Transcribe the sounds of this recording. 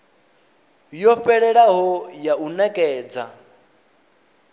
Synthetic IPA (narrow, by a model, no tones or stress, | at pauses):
jɔɸɛɺɛɺaɦɔjaunakʼɛːd͡za